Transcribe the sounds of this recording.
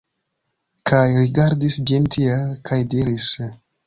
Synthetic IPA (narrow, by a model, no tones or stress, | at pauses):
kʰajɾiɡaɾdisd͡ʒintʰielkʰajdiɾis